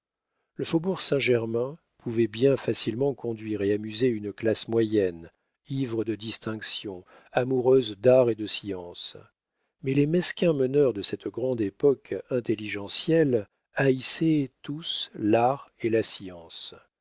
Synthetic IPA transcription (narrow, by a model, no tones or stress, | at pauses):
ləfobuʁsɛ̃ʒɛʁmɛ̃ | pʰuvɛbjɛ̃fasilmɑ̃kʰɔ̃d̪ɥiʁeamyzeynklasmwajɛn | ivʁəd̪əd̪ist̪ɛ̃ksjɔ̃ | amuʁøzd̪aʁed̪əsiɑ̃s | mɛlemɛskʲɛ̃mənœʁd̪əsɛt̪ɡʁɑ̃d̪epɔkɛ̃t̪eliʒɑ̃sjɛl | aisɛt̪uslaʁelasiɑ̃s